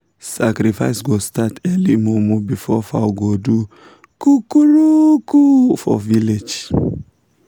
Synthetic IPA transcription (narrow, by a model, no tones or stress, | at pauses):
sakɾifaɪsɡostatʰɛlimɔmɔ̃bifɔfawɡodu | kukuɾukufɔ̰viled͡ʒ